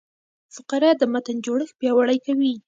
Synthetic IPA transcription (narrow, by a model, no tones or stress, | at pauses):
fʊqaɾɑd̪əmat̪ənd͡ʒoɽəxpjɑwaɽajkawi